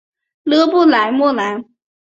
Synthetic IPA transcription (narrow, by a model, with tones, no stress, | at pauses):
lɤ˥pu˥˩la˧˥ɪmɔ˥˩la˨˧˥ɪ